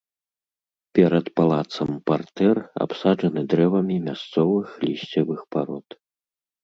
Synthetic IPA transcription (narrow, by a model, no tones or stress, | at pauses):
pʲɛɾɐt̪palˠat̪sɐmpart̪ɛra̰psaʐɐnɨd̪ɾɛvɐmʲimʲast̪sɔvɨxlʲisʲt͡sʲɛvɨxpaɾɔt̪